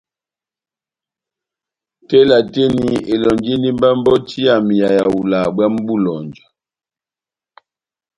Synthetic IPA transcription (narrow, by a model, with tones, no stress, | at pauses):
tɛ˦la˨te˦ni˨e˨lɔ˨nd͡ʒi˦n˦di˦m˦ba˦m˦bɔ˦tʰi˦a˨mi˨ja˨ja˨wu˨la˨bwa˦m̩˦bu˦lɔ˨nd͡ʒa˨